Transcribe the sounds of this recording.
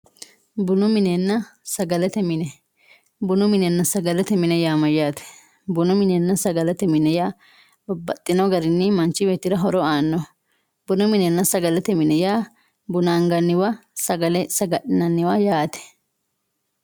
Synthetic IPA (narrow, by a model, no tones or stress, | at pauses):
bʊnʊmɪnɛnːɐsɐɡɐlɛt̪ɛmɪnɛ | bʊnʊmɪnɛnːɐsɐɡɐlɛt̪ɛmɪnɛjaːmɐjaːt̪ɛ̥ | bʊnʊmɪnɛnːɐsɐɡɐlɛt̪ɛmɪnɛjaː | bɐt̪ʼːɪnɔɡɐɾɪnːɪmɐnt͡ʃːɪbɛt̪ːɪɾɐɦɔɾɔaːnːɔ | bʊnʊmɪnɛnːɐsɐɡɐlɛt̪ɛmɪnɛjaː | bʊnaːŋɡɐnːɪwɐsɐɡɐlɛsɐɡɐɗɪnɐnːɪwajaːt̪ɛ̥